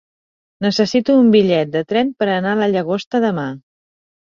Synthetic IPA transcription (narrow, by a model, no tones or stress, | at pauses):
nəsəsit̪uːmbiʎɛt̪̚d̪ət̪ɾɛnpəɾənaləʎəɣ̞ost̪əðəma